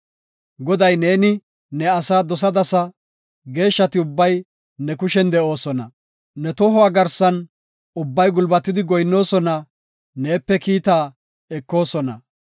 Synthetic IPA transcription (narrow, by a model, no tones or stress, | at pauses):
ɡɔd̪ɐjne̞ːnɪ | nɛɐsaːd̪ɔs̬ɐd̪ɐsɐ | ɡe̞ːʃːɐt̪ɪʊbːɐj | nɛkʊʃɛnd̪ɛʔo̞ːsɔnɐ̰ | nɛt̪ɔɦɔwaːɡɐɾsɐn | ʊbːɐjɡʊlbɐt̪ːɪd̪ɪɡɔjnːo̞ːsɔnɐ | ne̞ːpːɛkiːt̪aː | ɛkːo̞ːsɔnɐ̰